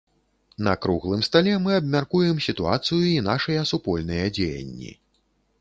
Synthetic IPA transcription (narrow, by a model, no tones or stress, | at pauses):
nɐkɾuɣlˠɨmst̪alʲɛmɨɐbmʲarkujɛmsʲit̪ua̰t̪sɨjuinaʂɨjɐsupɔlʲnɨjɐd͡zʲejɐ̰nʲːḭ